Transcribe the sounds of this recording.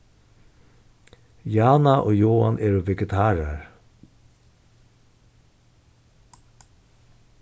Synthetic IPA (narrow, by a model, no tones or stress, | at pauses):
jɑːnɑʔoːjoːɑnʔeːɾoːʋɛɡət̪ʰɑːɾəɹ